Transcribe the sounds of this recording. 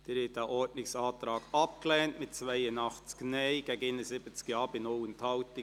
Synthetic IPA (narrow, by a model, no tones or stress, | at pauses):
d̥ɪɾɪtæʔɔɹtnɪksɑːtɾɑːɡ̥ɑp̚klɛːntmɪt̚t͡svaɪənɑχt͡sknɛɪɡ̥ɛɡɪnəsɪbət͡skjɑːbɪnowəntʰɑʊtɪ